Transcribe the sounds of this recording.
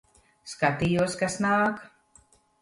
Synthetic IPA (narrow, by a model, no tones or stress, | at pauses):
skat̪ijuɔskasnaːk